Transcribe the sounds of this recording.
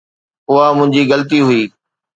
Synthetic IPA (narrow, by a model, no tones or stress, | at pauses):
ʊɦamʊ̃ɦɪ̃ɲd͡ʑiːɣələt̪iɦʊiː